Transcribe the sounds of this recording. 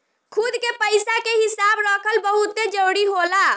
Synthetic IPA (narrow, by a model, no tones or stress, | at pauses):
kʰud̪kepəjsakeɦisabɾɔkʰəlbəɦut̪ːed͡ʒəwɽiɦola